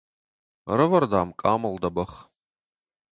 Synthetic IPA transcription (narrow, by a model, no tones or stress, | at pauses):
rɨvɐrd̪aːmkʼaːmɨld̪ɐbɐχ